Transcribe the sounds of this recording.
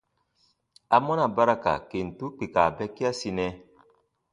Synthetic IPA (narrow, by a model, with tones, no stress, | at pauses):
a˨mɔ˦na˨ba˦ɾa˦ka̰˨ke˨n̩˨tu˦k͡pi˨ka˨bɛ˦kːi˦a˦si˧nɛ˦